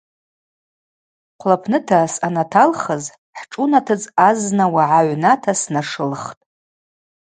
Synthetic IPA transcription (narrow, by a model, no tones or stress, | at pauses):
qʷʰlapʰnɨtʰasanatʰalχəz | ħʈ͡ʂʼunatʰɨd͡zaznawaʕaʕʷnatʰasnaʂɨlχtʼ